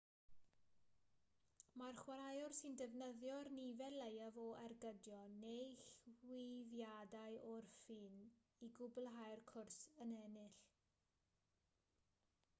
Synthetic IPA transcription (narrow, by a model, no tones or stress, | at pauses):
marχwaɾajɔrsɨndɛvnəðjɔrnivɛlejavɔʔarɡədjɔnejɬwɪðjadaɨʔɔrfiːn | iɡʊblˠɦajrkʰʊrsənɛnɨɬ